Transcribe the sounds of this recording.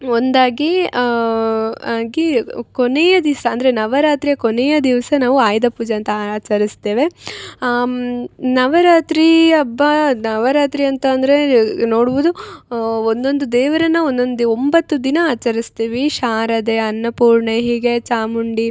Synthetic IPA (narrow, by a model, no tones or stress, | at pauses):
ond̪aːɡi | aːɡikonejɐd̪iʋsɐːnd̪ɐɾenɐʋɐɾaːt̪ɾijɐkonejɐd̪iʋɐsɐnaːʋuaːjd̪ɐpuːd͡ʒɐɐnt̪ɐːt͡ʃɐɾist̪eːʋe̞ | nɐʋɐɾaːt̪ɾiɐbːɐnɐʋɐɾaːt̪ɾiɐnt̪ɐːnd̪ɐɾe̞no̞ːɽuʋud̪u | ond̪o̞nd̪ud̪ɛːʋɐɾɐnːɐond̪o̞nd̪uombɐt̪ːud̪inɐaːt͡ʃɐɾist̪iːʋiʃaːɾɐd̪e̞ɐnːɐpuːɾɳeɦiːɡe̞t͡ʃaːmuɳɖi